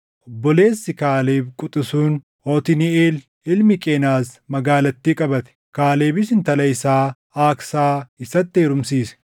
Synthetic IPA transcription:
ʔɔbːɔle̞ːsːɪkaːleːbkʼʊt̪ʼɪsuːn | hoːt̪ɪnɪeːl | ɪlmɪkʼeːnaːsmɐɡaːlɐt̪ːiːkʼɐbɐt̪ɛ̥kaːleːbɪsɪnt̪ɐlɐɪsaː | aːksaːɪsɐt̪ːeːɾʊmsiːsɛ̥

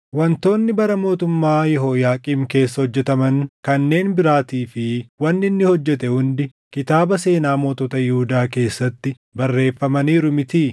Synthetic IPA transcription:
wɐnt̪o̞ːnːɪbɐɾɐmo̞ːt̪ʊmːaːjɛɦoːjaːkʼiːmke̞ːsːɐhɔd͡ʒːɛt̪ɐmɐŋkɐnːe̞ːnbɪɾaːt̪iːfɪwɐnːɪnːɪhɔd͡ʒːɛt̪ɛhʊnd̪ɪkɪt̪aːbɐse̞ːnaːmo̞ːt̪ot̪ɐjɪhʊd̪aːke̞ːsːɐt̪ːɪ | bɐrːe̞ːfːɐmɐniːɾʊmɪt̪iː

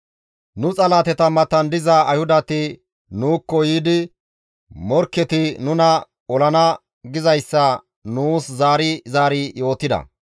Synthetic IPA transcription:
nʊt͡sʼɐlaːt̪ɛt̪ɐmɐt̪ːɐnd̪ɪzɐɐjhʊd̪ɐt̪ɪ | nuːkːɔjiːd̪ɪ | mɔɾkːɛt̪ɪnʊnɐ | ɔlɐnɐ | ɡɪzɐjsːɐ | nuːszaːɾɪzaːɾɪjo̞ːt̪ːɪd̪ɐ̰

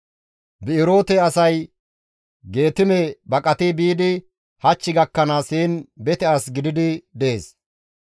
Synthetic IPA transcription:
bɪɪɾo̞ːt̪ɛɐsɐj | ɡe̞ːt̪ɪmɛbɐkʼɐt̪ɪbiːd̪ɪ | hɐt͡ʃːɪɡɐkːɐnaːshiːnbɛt̪ɛaːsɡɪd̪ɪd̪ɪd̪ɛeːs

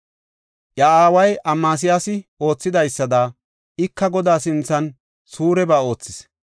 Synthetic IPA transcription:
ʔjɐaːwɐjɐmːaːs̬ɪjaːsɪo̞ːt͡sːɪd̪ɐjsːɐd̪aː | ɪkːɐɡɔd̪aːsɪnt͡sːɐn | suːɾɛbaːo̞ːt͡sːɪs

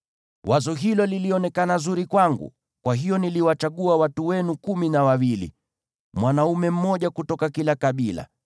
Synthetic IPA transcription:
wʔazɔɦilɔliliɔnɛkanazuɾikwaŋɡṵ | kwaɦijɔniliwat͡ʃaɠuawatuwɛnukuminawawilḭ | mwanaumɛm̩mɔʄakutɔkakilakaɓila̰

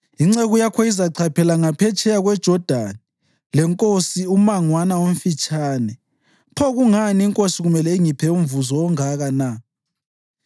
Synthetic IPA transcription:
iŋ͡ǀeɣujakʰɔizaǀʰapʰɛlaŋapʰɛt͡ʃʰʼɛjaɣwɛd̥ʒ̥ʱɔd̥ʱani | lɛŋkʼosiumaŋwanawom̩fit͡ʃʼaːnɛ | pʰɔɣuŋaniiŋkʼosiɣumɛlɛiŋipʰɛuɱvuzɔɔŋaɣana

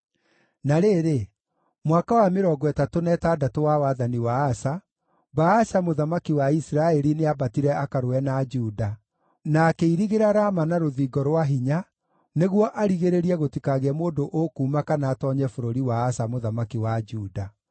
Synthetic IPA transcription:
naɾeɾe | mwakawameɾɔɡɔɛtatonɛtadatowawaðaniwaːsa | baaʃamoðamakiwaisɾaɛɾineabatiɾɛakaɾoɛnad͡ʒuːda | naːkeiɾiɣeɾaɾamanaɾoðiːɡɔɾwaɦiɲa | neɣwɔʔaɾiɣeɾeɾiɛɣotikaɣɛmoːndoʔokuːmakanaːtɔɲɛfoɾoɾiwaːsamoðamakiwad͡ʒuːda

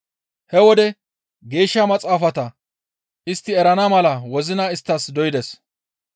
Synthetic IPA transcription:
hɛwɔd̪ɛ | ɡe̞ːʃːɐmɐt͡sʼaːfɐt̪ɐ | ʔɪst̪ːɪɛɾɐnɐmɐlɐwɔzɪnaɪst̪ːɐsd̪ɔjɪd̪ɛs

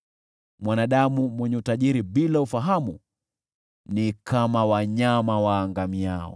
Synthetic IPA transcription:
mwanaɗamumwɛɲɛutaʄiɾiɓilaufaɦamu | nikʰamawaɲamawaːŋɡamiaɔ̰

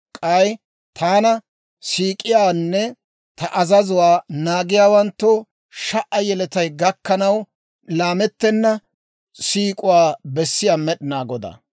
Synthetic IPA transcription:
kʼɐj | t̪ʰaːnɐ | siːkʼɪjaːnːɛ | t̪ɐʔɐzɐzʊwaːnaːɡɪjaːwɐnt̪ːɔ | ʃɐʔɐjɛlɛt̪ɐjɡɐkːɐnɐw | laːmɛt̪ːɛnːɐ | siːkʼʊwaːbɛsːɪjaːmɛɗɪnaːɡɔd̪a̰

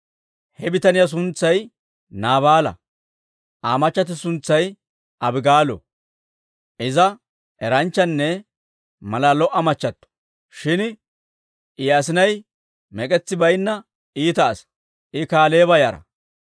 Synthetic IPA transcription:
hɛbɪt̪ɐnɪjas̬ʊnt͡sːɐj | naːβaːlɐ̰ | ʔaːmɐt͡ʃːɐt̪̬ɪsʊnt͡sːɐj | ʔɐbɪɡaːlɔ̰ | ʔɪzɐ | ɛɾɐnt͡ʃːɐnːɛ | mɐlalɔʔɐmɐt͡ʃːɐt̪ːɔ̥ | ʃɪn | ʔɪjasɪnɐj | mɛkʼɛt͡sːɪbɐjnːɐ | iːt̪ɐːs | ʔɪkaːle̞ːbɐjaːɾɐ̰

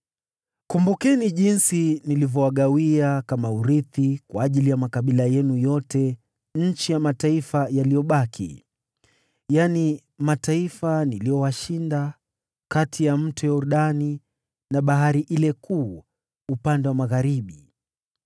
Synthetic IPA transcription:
kumbukɛniʄinsinilivjɔwaɠawiakamauɾiθikwaːʄilijamakaɓilajɛnujɔtɛ | ɲ̩t͡ʃijamataifajalijɔɓakʰḭ | jani | mataifanilijɔwaʃinda | katʰijam̩tujauɾuɗani | naɓaɦaɾiʔilɛkʰuː | upandɛwamaɣaɾiɓi

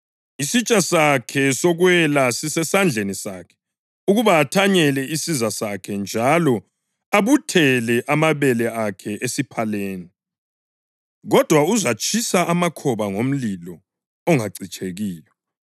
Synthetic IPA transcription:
isit͡ʃʼasakʰɛsɔɣwɛlasisɛsand͡ɮʱenisakʰɛ̥ | uɣuβaːtʰaɲɛlɛisizasakʰɛnd͡ʒʱalɔ | aβutʰɛlɛʔamaβɛlɛakʰɛʔesipʰaleːni | ɣɔd̥ʱwauzat͡ʃʼʰisaʔamakʰɔβaŋom̩lilɔ | ɔŋaǀit͡ʃʼeɣiːjɔ

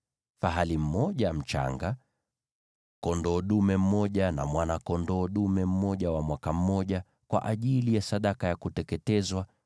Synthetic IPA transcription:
faɦalim̩mɔʄam̩t͡ʃa̰ŋɡa | kɔndɔːɗumɛm̩mɔʄana̰mwanakɔndɔːɗumɛm̩mɔʄawamwakam̩ːɔʄa | kwa̰ʔaʄilijasaɗakajakutɛkɛtɛzwa

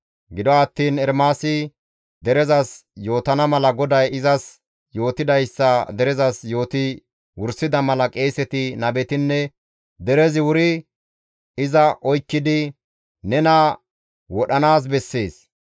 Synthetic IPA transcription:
ɡɪd̪ɔɐt̪ːiːnɛɾmaːsɪ | d̪ɛɾɛzɐsjo̞ːt̪ɐnɐmɐlɐɡɔd̪ɐjɪzɐs | jo̞ːt̪ɪd̪ɐjsːɐd̪ɛɾɛzɐsjo̞ːt̪ɪ | wʊɾsɪd̪ɐmɐlɐkʼe̞ːsɛt̪ɪnɐbɛt̪ɪnːɛ | d̪ɛɾɛzɪwʊɾɪ | ɪzɐʔɔjkːɪd̪ɪ | nɛnɐ | wɔɗɐnaːs̬bɛsːe̞ːs

